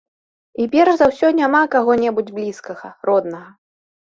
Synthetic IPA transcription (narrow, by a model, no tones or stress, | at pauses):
ipʲɛrʐzawsʲɔnʲamakaɣɔnʲɛbud͡zʲblʲiskɐɣɐ̰ɾɔd̪nɐɣɐ